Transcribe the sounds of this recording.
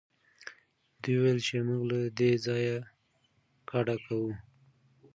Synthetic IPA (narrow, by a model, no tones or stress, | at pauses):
d̪ujwelt͡ʃemuɡlad̪ezɑja | kaɽakawu